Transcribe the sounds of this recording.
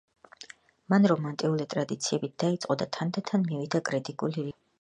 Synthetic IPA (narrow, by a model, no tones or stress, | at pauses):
manɾɔmant̪ʼiulit̪ʼɾad̪it̪sʰiɛbit̪̚d̪̥ait̪sʼqʼɔd̪at̪ʰand̪at̪ʰanmivid̪akʼɾit̪ʼikʼuliɾi